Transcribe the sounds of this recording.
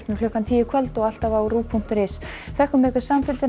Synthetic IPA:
pnʏlœkant̪ʰiːɪkʰvœlt̪ɔɣal̥t̪avauruːpʰuŋ̥t̪ɾɪs | θɛhkʏmɛːkʏ̥samfɪlt̪ɪn

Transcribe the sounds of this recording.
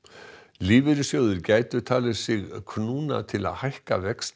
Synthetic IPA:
liːvɪɾʏsjoːwðʏɾcaːjt̪ʏ̥t̪ʰaːlvɪsɪɣkʰnuːna̰t̪ʰɪla̰ðhajhka̰vɛkst̪

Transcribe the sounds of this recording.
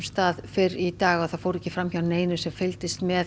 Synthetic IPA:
mst̪aːðfɪɾit̪aːɣaðθaðfowɾɛhcːɪfɾamçawneːjnʏ̥sɛmfɪlt̪ɪst̪mɛ

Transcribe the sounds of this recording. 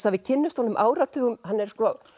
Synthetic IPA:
savɪcʰɪnːʏst̪hɔnʏmʔaːwɾat̪ʰʏːɣʏmɦanːɛɾ̥skɔ

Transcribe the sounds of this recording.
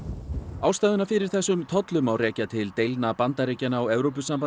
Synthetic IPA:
aːwst̪ajðʏnafɪɾɪɾ̥θɛsːʏmt̪ʰɔt̪lʏmawrɛːcat̪ʰɪlt̪ejlnapant̪aɾejcanaːwɛvɾowp̬ʏsampa

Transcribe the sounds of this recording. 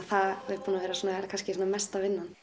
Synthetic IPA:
θaðɪpʰuːnavʋɛːɾasɔːnakʰanscɪsɔːnamɛst̪avɪnːan

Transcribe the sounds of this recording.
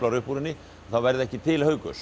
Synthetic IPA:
laɾʏhpuɾɪnːɪ | ɔθaðvɛɾðɪɛhcɪt̪ʰɪlhœɥkʏs

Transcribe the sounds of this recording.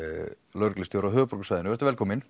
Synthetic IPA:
lœɾklɪst̪jowɾawɦœːðpɔɾkʏsaːjðɪnʏvɛɾt̪avɛlkʰɔːmɪn

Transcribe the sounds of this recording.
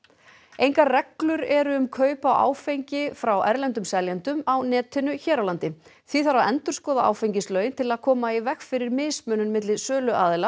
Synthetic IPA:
ejŋkarɛklʏɾɛɾʏʏmkʰœːɥpawʔa̰ːwfejɲcɪfɾawʔɛɾlɛnt̪̬ʏmsɛljant̪ʏmawnɛːt̪ʰɪnʏçɛːɾawlant̪ɪ | θviθaɾaðɛnt̪ʏ̥skɔːðaʔa̰ːwfejɲcɪslœːɥjɪnt̪ʰɪlaðkʰɔːmaivɛxfɪɾɪɾmɪːsmʏːnʏnmɪt̪lɪðsœːlʏʔaːðɪla

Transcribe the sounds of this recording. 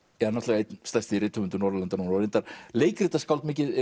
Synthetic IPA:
ɛanɔht̪ɛɣaet̪st̪ajst̪ɪiɾrɪːt̪hʏmʏnt̪ʏnɔɾalant̪aɾnuːnaɾent̪aɾleːjkɾɪt̪askaw̪t̪mɪːc̬ɪð

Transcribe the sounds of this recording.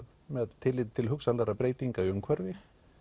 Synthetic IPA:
mɛðt̪ʰɪlːɪt̪t̪ʰɪlɦʏksanlɛɾapɾeːjt̪iŋkajʏŋkʰvɛɾvɪ

